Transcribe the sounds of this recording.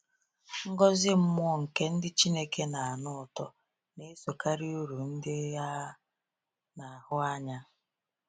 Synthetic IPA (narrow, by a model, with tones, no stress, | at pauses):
ŋ̩˦ɡɔ˦zɪ˦m̩˦mʊ˦ɔ˦ŋ̩˨ke˦n̩˦dɪ˦t͡ʃi˦ne˦ke˦na˨a˨nʊ˦ʊ˨tɔ˦ | ne˦so˨ka˦ɾi˦u˦ɾu˨n̩˦dɪ˦ja˦ | na˨hʊ˦a˦ɲa˦